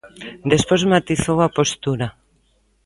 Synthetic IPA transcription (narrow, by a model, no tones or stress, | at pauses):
d̪espozmat̪iθowapost̪uɾa